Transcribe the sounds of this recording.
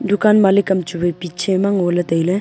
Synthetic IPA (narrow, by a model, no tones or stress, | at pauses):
d̪ukaːnmalikɐmt͡ʃubepit͡ʃʰemaŋoːlɐt̪ɐjle